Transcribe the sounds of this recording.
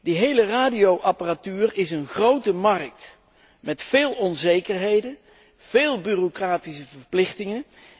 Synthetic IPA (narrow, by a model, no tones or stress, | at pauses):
diɦejləraːdijowʔɑparatyːrɪsənχrowtəmɑrk̚t | mɛtfeːlˠɔnzejkərɦejdən | v̥eːlˠbyːrokraːtisəvərplɪχtɪŋən